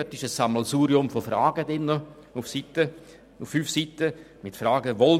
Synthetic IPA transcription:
øt̪ːɪʃəsːaməlsuːɾiʊmfofɾaːɡ̥ədɪnːə | ʊfsitə | ʊfːyːfsiːtə | mɪtfraːɡəʋɔl

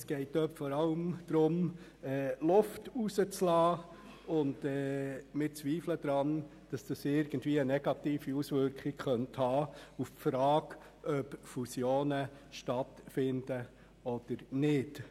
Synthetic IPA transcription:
sɡ̥ɛɪtːøpfɔɾɑləmd̥̪ɾʊm | ɛːlʊftusət͡slɑː | ʊndɛːmɪt͡sʋiːflədɾɑn | d̥ɑsd̥ɑsɪɾɡ̥ən̩dviːənɛɡɑtiːfiusʋʏɾkχɪɡχœnthɑːuffɾɑːɡ | ʔœpfusjoːnə | ʃtɑtfɪnd̥ə | ɔd̥əɾnɪd

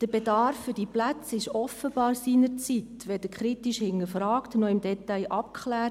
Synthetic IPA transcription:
d̥əb̥edɑɾfːʏɾd̥iplæt͡sɪʃɔfəb̥ɑːɾsiːnəɾt͡sit̪ʋɛd̥əkχɾit̪iʃhɪŋːəfrɑːktnɔɪmdɛt̪ajʔɑp̚kχlæː

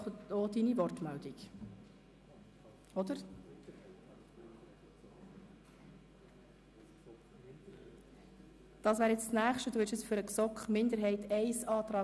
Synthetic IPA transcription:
odinivɔrtmæltik | ɔd̥̪əɾ | d̥ɑːsʋæːɾjɛt͡ssnæːχʃtəd̥uːɪɾʃɛsfʏɾəksɔkχmɪnd̪əɾɦɛɪtɛɪsɑːt̪ɾɑː

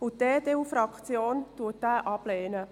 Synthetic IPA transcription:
ʊd̥eːd̥̪eːuːfɾɑkχt͡sjoːntuːətːæːʔɑb̥leːnə

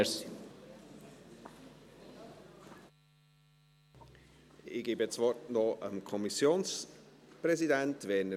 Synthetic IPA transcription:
s | ɪɡ̥eːbət͡svɔrtnɔʔəmkʰɔmisjoːnspɾɛzidɛntvɛːnə

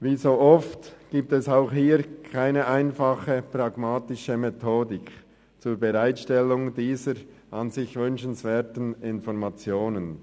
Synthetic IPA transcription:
viːzoːʔɔftɡ̥iːp̚tɛsaʊxhiːɾkʰaɪnəʔaɪnfɑχəprɑɡ̥maːtɪʃəmetʰoːdɪk | t͡suːɾbəʁaɪtʃtɛlːʊŋdiːzəɾʔɑnzɪçvʏnʃən̩svɛːtən̩ɪnfɔɾmat͡sjoːnən

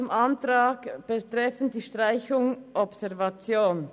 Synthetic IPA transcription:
ʊmʔantʁaːɡb̥ətʁɛfn̩d̥iːʃtʁ̥aɪçʊŋʔɔpsɛʁvat͡sjoːn

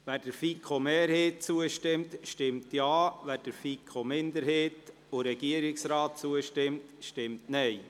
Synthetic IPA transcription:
ʋæɾd̥əɾfikʰχomeːɾheːt̚t͡suəʃtɪmtʃtɪmtjɑːvæɾd̥əɾfikʰχomɪnd̪əɾheːt | oɾɛɡ̥iəɾɪksɾɑːt̚t͡suəʃtɪmtʃtɪmtnɛɪ

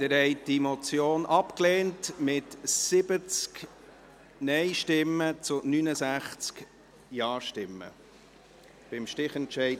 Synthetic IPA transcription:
d̥ɪɾhɛɪdimɔt͡sjoːnʔɑpkleːntmɪtsɪbət͡sk | nɛɪjʃtɪmːət͡sʊnynəsæχt͡sk | jɑːʃtɪmːə̰ | b̥ɪmʃtɪχɛntʃɛɪ

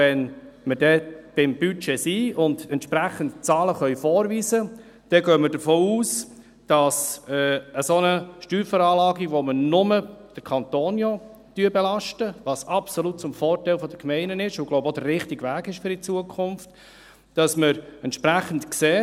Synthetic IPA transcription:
ɛnməɾdɛb̥ɪmbyt͡ʃɛsiːʊndɛntʃpɾæχəntt͡sɑːləχœʏfɔːɾviːzə | d̥ɛɡœːməɾdəɾfɔːuːs | d̥ɑsɛəsonəʃtyːɾfɔɾɑːlɑːɡiʋomənʊməd̥əɾkʰɑnt̪oːnjɔ | d̥yəbɛlɑʃtəʋɑsɑpsɔlut̚t͡sʊmfɔːɾtæɪlfɔd̥̪əkmɛɪnənɪʃʊɡloʊbod̥̪ərːɪχtiɡʋæːɡɪʃfʏɾit͡suəkʰʊmft | d̥ɑsməɾɛntʃpɾæχən̩tkseː

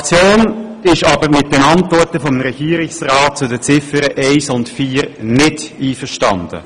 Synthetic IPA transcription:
t͡sjoːnɪʃɑbəɾmɪt̚dɛnɑntvɔɹtəfɔmɾɛɡ̥iːɾɪksrɑːt̚t͡sʊdət͡sɪfəɾəʔeɪsʊntfiːɾnɪdiːfəʃtɑ̰nd̥ə̰

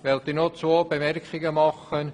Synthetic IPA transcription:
ʋɛlt̪iːnot͡sʋoːbemɛrkχɪɡəmɑχən

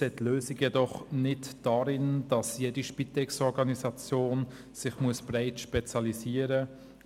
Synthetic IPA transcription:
seːtløːsiɡjɛdɔχnɪtd̥aɾɪnd̥ɑsjeːdiʃpitɛksɔɾɡɑnisɑt͡sjoːn | sɪχmuəsb̥raɪtʃpɛt͡sjɑliziːəɾə

